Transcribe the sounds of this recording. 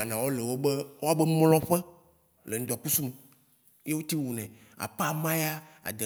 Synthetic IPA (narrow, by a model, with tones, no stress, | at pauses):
a˨nã˨wo˦le˨wo˦be˦wʔo˦a˦bɛ˦mlɔ̃˦ɸɛ˦ | le˨ŋ̩̃˦d̪ɔ˨k͡pu˦su˦me˨ | je˦wo˦t̪i˦wu˨nɛ̃˨ | a̰˨pa˦mã˦ja˦ | a̰˨d̪e˨